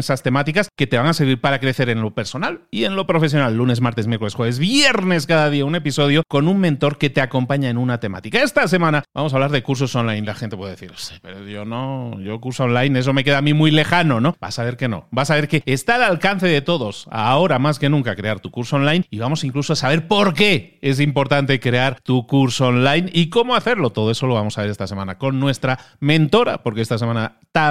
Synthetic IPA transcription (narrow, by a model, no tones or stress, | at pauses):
esast̪e̞mat̪ikaske̞t̪eβaŋase̞ɾβiɾpaɾakɾe̞θe̞ɾe̞nlo̞pe̞ɾso̞nalie̞nlo̞pɾo̞fe̞s̬jo̞nalːune̞smaɾt̪esmjeko̞lesxweβe̞zβje̞ɾne̞skaðaðiaune̞piso̞ð̞jo̞ko̞nunmẽnt̪o̞ɾke̞t̪e̞ako̞mpaɲaenunat̪e̞ma̰t̪ikae̞st̪as̬e̞mãnaba̰mos̬aβlaɾðe̞kuɾs̬o̞so̞nlajnlaxent̪epweðθiɾosepeɾoðjonoʝokuɾsoonlajnes̬o̞me̞ke̞ðaːmimujle̞xano̞no̞b̥a̰saβe̞ɾke̞no̞̰basaβe̞ɾke̞ːst̪alalkanθe̞ðe̞t̪o̞ðo̞sa̰o̞ɾamaske̞nũŋkakɾe̞aɾt̪ukuɾsoonlajniβamo̞siŋkluso̞asaβ̞e̞ɾpo̞ɾke̞es̬impo̞ɾt̪ant̪e̞kɾe̞aɾt̪ukuɾsoonlajniko̞moaθe̞ɾlo̞t̪o̞ð̞o̞e̞so̞loβamo̞saβe̞ɾe̞st̪ase̞mãnako̞nːwe̞st̪ɾamẽ̞nt̪o̞ɾa̰po̞ɾkeest̪ase̞mãna | t̪a